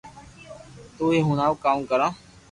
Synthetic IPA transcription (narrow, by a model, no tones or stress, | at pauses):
t̪uːeːɦunaːʋkaːmkəɾaː